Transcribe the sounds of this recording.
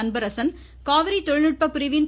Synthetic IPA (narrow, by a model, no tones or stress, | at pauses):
ɐnbɐɾɐsɐn | kaːʋɐɾit̪ɔɻnɪʈ̚pɐpʊɾɪʋɪn